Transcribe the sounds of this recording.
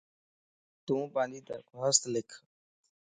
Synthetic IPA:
t̪ũːpãːnd̪iːd̪ə̰kaːst̪lɪkʰ

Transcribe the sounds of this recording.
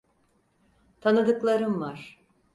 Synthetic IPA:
t̪ʰanɯd̪ɯklˠaɾɯmvaɾ̥

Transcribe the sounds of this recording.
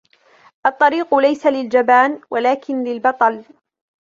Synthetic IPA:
ʔɑt̪ˤːɑɾiːqʊlajsalɪld͡ʒabaːnwalaːkɪnlɪlbɑt̪ˤɑl

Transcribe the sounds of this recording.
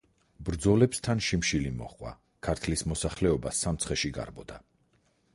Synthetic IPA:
bɾd̪zɔlɛpst̪ʰanʃimʃilimɔ̰χʼwa̰ | kʰaɾt̪ʰlismɔsaχlɛɔbasamt̪sʰχɛʃiɡa̰ɾbɔd̪a

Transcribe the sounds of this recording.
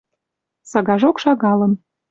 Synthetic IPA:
sɑɣɑʒokʃɑɣɑlə̆n

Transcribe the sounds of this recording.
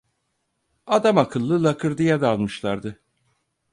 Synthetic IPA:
ad̪amakʰɯlˠːɯlˠakʰɯɾd̪ijad̪ːlˠmɯʃlˠaɾd̪ɯ

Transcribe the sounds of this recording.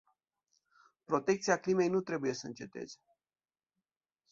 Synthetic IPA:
pɾo̞t̪e̞k̚t̪siaklime̞jnut̪ɾe̞buje̞səɨnt͡ʃe̞t̪e̞̰z̥e

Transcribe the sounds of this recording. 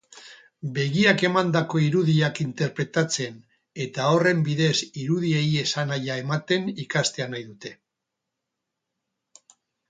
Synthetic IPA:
be̞ɣiake̞mand̪ako̞iɾuðiakint̪e̞ɾpɾe̞t̪at͡se̞n | e̞t̪ao̞re̞mbiðe̞siɾuð̞ieje̞sanajae̞mat̪e̞nikast̪e̞anajðut̪e̞

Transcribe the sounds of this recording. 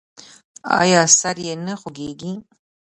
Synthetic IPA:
a̰ːjaːsarjɛnɨχʷʊɡʲeːɡʲi

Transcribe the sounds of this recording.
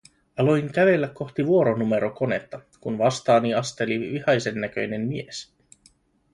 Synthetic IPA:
ɑlojŋk̟æʋe̞lːækːo̞xt̪iʋuo̞ɾonume̞ɾoko̞ne̞t̪ːɑ | kunʋɑst̪ɑːniɑst̪e̞liʋihɑjse̞nːæk̟ø̞jne̞mmies

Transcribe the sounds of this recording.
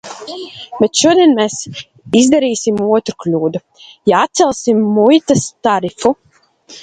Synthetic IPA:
bɛt̪ʃuɔd̪iɛnmeːs | izd̪aɾiːsimuɔt̪ɾuklʲuːd̪u | jaat̪̚sɛlˠsimːujt̪ɐst̪aɾifu

